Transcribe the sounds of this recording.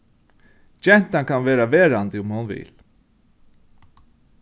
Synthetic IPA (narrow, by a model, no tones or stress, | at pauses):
d͡ʒɛn̥t̪ankʰanveːɾaʋeːɾant̪ɪʊmhʊnvɪ̰l